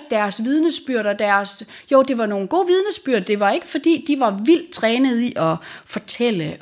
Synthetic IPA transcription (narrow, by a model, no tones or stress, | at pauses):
d̥æɐsʋið̞ˠnəsb̥yɐ̰ɾ̥ɐd̥æɐs | joʊ̰d̥e̝ʋɑ̈no̝ːn̩ɡ̥o̝̰ːʋið̞ˠnəsb̥yɐ̰d̥d̥e̝ʋɑ̈e̝ɡ̥əfɒ̽d̥ḭːd̥iʋɑ̈ʋil̰d̥̚t͡sʰʁɛːnəð̞̩ˠiʔɒ̽fɒ̽t͡sʰel̰ə